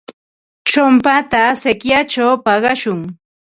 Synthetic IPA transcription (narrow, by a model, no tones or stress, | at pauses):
t͡ʃʊmpat̪asekjat͡ʃawpɑɢɑʃʊŋ